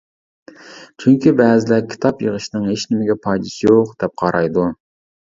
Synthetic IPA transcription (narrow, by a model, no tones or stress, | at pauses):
t͡ʃʰyŋkʲibɛːzɪlɛkʲʰi̥t̪ʰɑpjəʁəʃnɨŋheʃnɪmɪɡʲɛpʰɑjd̪ɨsɨjoqd̪ɛp̚qʰɑɾɑjd̪u